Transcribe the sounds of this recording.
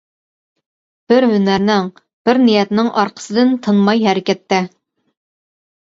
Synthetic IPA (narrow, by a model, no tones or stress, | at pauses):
b̥ɪɾɦynæɾnɪŋ | b̥ɪɾnijɛt̪nɪŋʔɑɾqʰə̥sɨd̪ɨnt̪ʰɨnmɑjɦɛɾɪkʲɛt̪ːɛ